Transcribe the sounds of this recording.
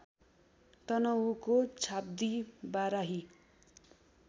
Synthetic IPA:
t̪ʌnʌukot͡sʰab̚d̪ibaɾaɦi

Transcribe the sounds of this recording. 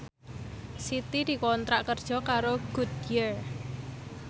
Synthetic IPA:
sit̪id̪̥i̤kɔnt̪ɾaʔkərd̥ʒ̥ɔ̤kaɾoɡ̥ud̪jər

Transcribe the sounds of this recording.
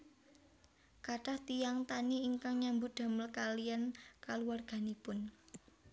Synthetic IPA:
kaʈaht̪ijaŋt̪aniːŋkaŋɲambud̪̥a̤məlkalijankaluwarɡ̥a̤nipʊn

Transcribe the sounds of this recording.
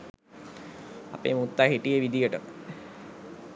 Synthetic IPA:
a̰pḛːmut̪ːaɦiʈijeʋid̪ijəʈəmə

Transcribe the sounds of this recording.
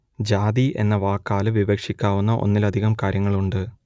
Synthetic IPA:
d͡ʑaːd̪iʔe̞̰nːɐʋaːkːaːlɨʋiʋɐkʂikʲːaːʋunːɐʔo̞̰nːilɐd̪ʱiɣɐmkaːɾjɐŋːɐɭuɳɖɨ

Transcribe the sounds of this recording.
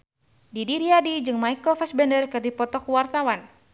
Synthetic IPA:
didiɾiadid͡ʒɨŋmaikəlfɛsbɛndərkɨrdipɔt̪ɔkuwart̪awan

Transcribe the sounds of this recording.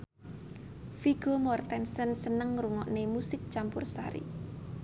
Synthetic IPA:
fiɡ̥omɔrt̪ɛnsənsənəŋruŋɔʔnemusɪk̚t͡ʃampʊrsa̰ɾḭ

